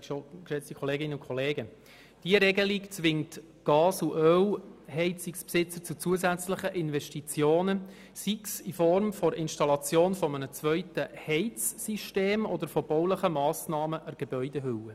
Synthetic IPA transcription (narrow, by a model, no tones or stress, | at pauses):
ʃokʃɛt͡stikʰχɔleːɡɪnəʊkʰɔleːɡə | d̥iəɾɛɡəlikt͡sʋɪŋt | ɡ̥ɑːsuʔœwhɛɪt͡sikspsɪt͡sət͡sut͡suəsæt͡sləχəʔɪnvɛʃtit͡sjoːnə | siksifɔɾmfɔɾɪnʃtɑlɑt͡sjoːnfɔmənət͡svœʏtəhɛɪt͡sːiʃteːmɔd̪əɾfɔb̥ɔwləχəmɑːsnɑːməʔəɾɡ̥eb̥œʏdeɦʏwə